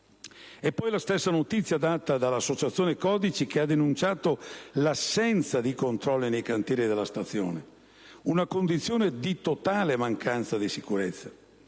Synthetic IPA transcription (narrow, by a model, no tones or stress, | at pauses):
ɛpːɔjlast̪esːanot̪it̪sːjad̪aːt̪ad̪alːasːot͡ʃat̪sːjoːnekɔːd̪it͡ʃik̟ead̪ːenunt͡ʃaːt̪olasːɛnt̪sad̪ikont̪ɾɔlːinejkant̪jɛːɾid̪elːast̪at̪sːjo̰ːne | unakond̪it̪sːjoːned̪it̪ot̪aːlemaŋkʰant̪sad̪isikuɾet̪sːḁ